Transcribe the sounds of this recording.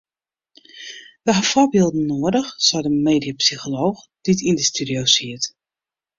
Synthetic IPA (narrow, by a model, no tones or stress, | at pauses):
ʋəɦafobɪːlˠdn̩noːədəxsɔdəmeːdiəpsixoloːx | d̥itindəstydiosiət